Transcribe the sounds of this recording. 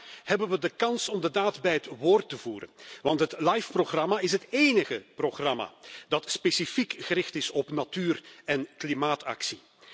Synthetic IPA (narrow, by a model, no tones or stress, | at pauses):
hɛbənʋədəkɑnsɔmdədaːdbɛjɦətʋoːrtəvuːɾə̰nʋɑntɦətlajfproɣrɑmaɪsɦəteːnəɣəproxrɑma̰dɑtspesifikɣəɾɪxtɪsɔpnatyːrɛnklimaːtɑ̰ksi